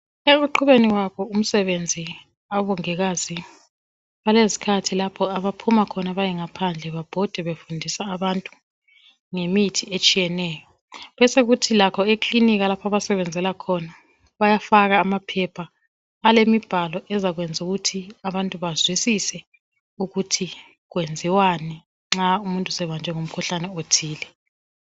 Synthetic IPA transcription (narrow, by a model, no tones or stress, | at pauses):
eɣuǃʰuβeniɣwakʰɔum̩sɛβend͡zʱi | aβɔŋɛɣazi | βalezi̥kʰatʰilapʰɔaβapʰumakʰɔnaβajɛŋapʰand͡ɮʱɛβab̥ʱɔd̥ʱɛβefundʱisaːβantʼu | ŋemitʰiet͡ʃʼijɛnɛjɔ | βɛseɣutʰilakʰɔekʼliniɣ̬alapʰaβasɛβɛnd͡zʱɛlakʰɔna | βajafaɣaːmapʰɛpʰaː | lemib̥ʱalɔʔɛzaɣwɛnd͡zʱuɣutʰiaβantʼuβazwisisɛ | uɣutʰi | ɣwend͡zʱiwani | ŋ͡ǁaumuntʼusɛβand͡ʒʱɛŋom̩kʰuɬanɛotʰiːlɛ